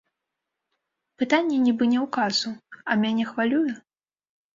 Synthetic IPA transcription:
pɨt̪anʲːɛnʲibɨnʲɛwkazuɐmʲanʲɛxvalʲujɛ

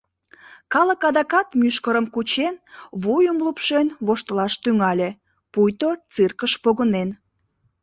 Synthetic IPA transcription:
kɑləkɑd̪ɑkɑt̪myʃkəɾəmkut͡ɕenβujəmlupʃenβoʃt̪əlɑʃt̪yŋɑlʲe | pujt̪ot͡sɨrkəʃpoɣənen

